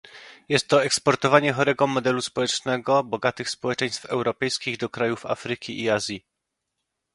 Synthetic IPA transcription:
jɛst̪ːɔɛkspɔɾt̪ɔvaɲɛxɔɾɛɡɔmɔd̪ɛluspɔwɛt͡ʂnɛɡɔbɔɡat̪ɘxspɔwɛt͡ʂɛj̃st̪fɛwɾɔpɛjskʲiɣd̪ɔkɾajufa̰fɾɘkʲiʔiazʲji

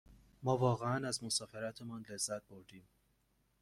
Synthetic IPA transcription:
mɒːvɒːɣeænæzmo̞sɒːfeɾæt̪ʰe̞mɒːnle̞zːæt̪̚bo̞ɾd̪iːm

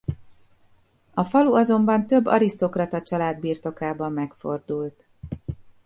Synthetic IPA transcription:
ɒfɒluɒzo̞mbɒnt̪ø̞bːɒ̰ɾist̪o̞krɒt̪ɒt͡ʃɒlaːd̪biːrt̪o̞kaːbɒmːɛkfo̞̰rd̪ult̪

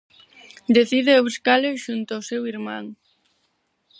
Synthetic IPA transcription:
d̪eθiðeaβuskaleʃunt̪ʊaosewiɾmãŋ

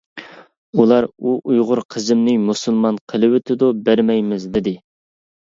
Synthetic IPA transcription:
ulˠɑɾuʔujʁʊɾqʰəzɪmnɪmusɨlˠmɑnqʰəlˠɨwɪt̪ʰɪd̪ubæɾmɛjmɪzd̪ɪd̪ɪ

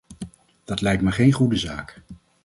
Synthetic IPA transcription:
d̥ɑtlɛjk̚tmaɹχejnχudəzaːk

